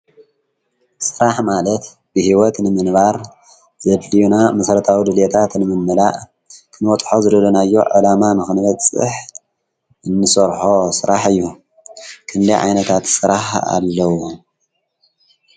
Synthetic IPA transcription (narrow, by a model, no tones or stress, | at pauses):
sɨɾaħmalɐt̪ | b̥ɨhiwɔt̪nɨmɨnβaɾ | zɐd̪lijunamɐsɐɾɐt̪ʰawid̪ɨlet̪ʰat̪nɨmɨnːɨla̰ʔ | kʰɨnwɔt̪ʼħo̞zɨdɐlɐnajːo̰ʕṵlamanɨxɨnɨβɐt͡sʼɨ̰ħ | ʔɨnːɨsɐɾħo̞sɨɾaħɨjːu | kʰɨnd̪ɐjʕa̰jnɐt̪ʰat̪sɨɾaħa̰lːɐwo